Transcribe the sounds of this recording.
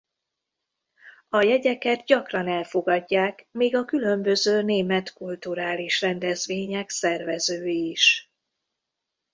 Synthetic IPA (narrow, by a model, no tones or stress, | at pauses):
ɒjɛɟɛkɛd̪ɟɒkrɒnɛlfo̞ɡɒɟːaːkmiːɡɒkylø̞mbø̞zøːneːmɛt̪kult̪uɾaːliʃrɛnd̪ɛzveːɲɛksɛrvɛzøːjiʃ